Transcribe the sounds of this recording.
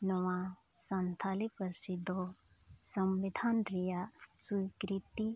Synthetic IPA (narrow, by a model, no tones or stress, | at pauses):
nɔwã | sɐnt̪ʰalipɐɾsid̪o | sɐmʋid̪ʱanɾijasukɾit̪i